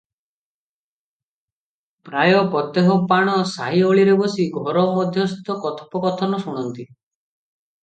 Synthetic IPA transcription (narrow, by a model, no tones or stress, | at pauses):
pɾajɔpɔt̪eɦɔpaɽ̃ɔsaɦioɭiɾebɔsiɡʱɔɾɔmɔd̪ʱjɔst̪ɔkɔt̪ʰɔ̥pɔkɔt̪ʰɔnɔsuɽ̃ɔnt̪i